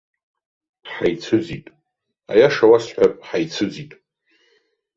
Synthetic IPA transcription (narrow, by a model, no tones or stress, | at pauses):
ħajt͡sʰɨd͡zitʼ | a̰jaʂawasħʷᶣapʼħajt͡sʰɨd͡zitʼ